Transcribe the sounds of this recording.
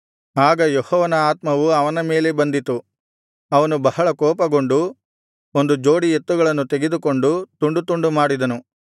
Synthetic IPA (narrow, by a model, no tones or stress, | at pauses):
aːɡɐjehɔːʋɐnɐaːt̪mɐʋuɐʋɐnɐme̞ːle̞bɐnd̪it̪u | ɐʋɐnubɐɦɐɭɐkɔːpɐɡo̞ɳɖu | ond̪ud͡ʒo̞ːɽiet̪ːuɡɐɭɐnːut̪eɡe̞d̪uko̞ɳɖut̪uɳɖut̪uɳɖumaːɽid̪ɐnu